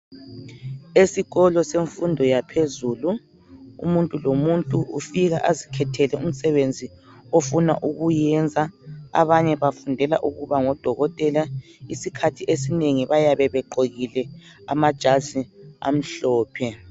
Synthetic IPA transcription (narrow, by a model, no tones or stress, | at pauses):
esiɣɔlɔseɱfundʱɔjapʰezuːlu | ṵmuntʼulomuntʼuṵfiɣa̰ʔazikʰɛtʰɛlɛʔum̩sɛβend͡zʱiofuna̰ʔuɣujɛnd͡zʱaa̰βaɲɛβafundʱɛla̰ʔuɣuβaŋɔd̥ʱɔɣɔtʼɛlaisikʰatʰiʔesineŋiβajaβɛβɛǃoɣilɛ | amad̥ʒ̥ʱazia̰m̩ɬɔːpʰɛ